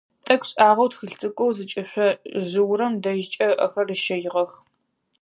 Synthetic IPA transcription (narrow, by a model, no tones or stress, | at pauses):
tʼɐkʷʰɕʼaːʁɐwtxɨɬt͡sʰʼɨkʷʼowzɨt͡ʃʼɪɕʷɐʑɨwɾɐmdɐʒɪt͡ʃʼɐʔɐxɐrɨʃɐjʁɐx